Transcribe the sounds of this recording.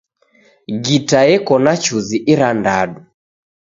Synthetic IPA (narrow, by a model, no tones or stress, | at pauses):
ɡitajɛkɔnat͡ʃuziʔiɾandaɗu